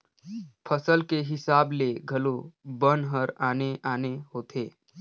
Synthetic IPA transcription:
pʰəsəlkeɦɪsaːbleɡʱɐlobənɦəɾaːneʔaːneɦoːt̪ʰeː

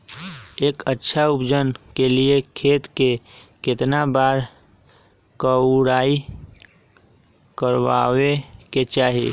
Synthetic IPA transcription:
eːkətːʃʰaʊpd͡ʒənkeliekʰeːt̪kekɪt̪nabaːɾ | kəʊɽaːi | kəɾwaweket͡ʃaːɦiḛ

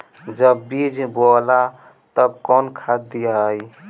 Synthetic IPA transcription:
d͡ʒəbːid͡ʒʱbola | t̪əbkɔnkʰad̪ijaj

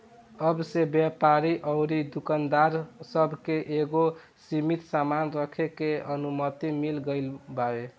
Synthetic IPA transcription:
əbsebjapaɾiʔəʊɾid̪ukand̪aɾsəbʱkeʔeɡo | simit̪samanɾəkʰekeənumət̪imilɡəɪlbae

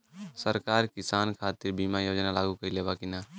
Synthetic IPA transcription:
səɾkaɾkisankʰat̪iɾbimajod͡ʒnalaɡukəileβakina

